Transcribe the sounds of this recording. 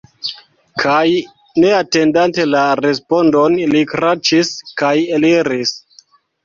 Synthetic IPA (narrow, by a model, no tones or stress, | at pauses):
kʰaj | ne̞ate̞ndante̞laɾe̞spo̞ndo̞nlikɾat͡ʃiskajeliɾis